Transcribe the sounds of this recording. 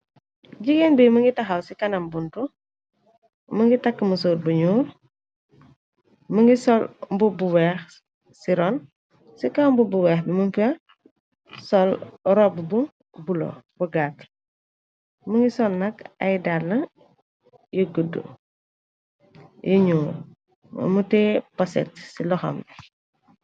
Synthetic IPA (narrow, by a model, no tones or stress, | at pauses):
ɟiɡenbimɐŋɡitɐxɐwsikɐnɐmbuntu | mɐŋɡitakːmusoːɾ̚buɲuːɾ | mɐŋɡisɔlmbubuwɛːx | siɾɔn | sikambubuwɛːxbimuŋkiɐ | sɔlɾɔbbuŋ | bulo̰buɡat | məŋɡisɔlnɐkɐ̰jdalnɐ | jəɡədə̰ | jʔiɲuːɾ̰ | mutɛpɐsɛ̰tsilɔxɔ̰m